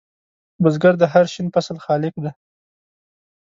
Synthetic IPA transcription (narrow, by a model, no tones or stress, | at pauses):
bʊzɡaɾd̪əɦaɾʃinpasalxɑlɪkd̪a